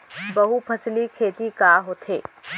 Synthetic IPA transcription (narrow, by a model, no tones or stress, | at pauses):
bɐɦupʰɐslikʰeːt̪ikaːɦoːt̪ʰḛː